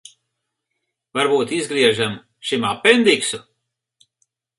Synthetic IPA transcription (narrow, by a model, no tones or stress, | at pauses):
vaɾbuːt̪izɡɾiɛʒam | ʃimapend̪iksu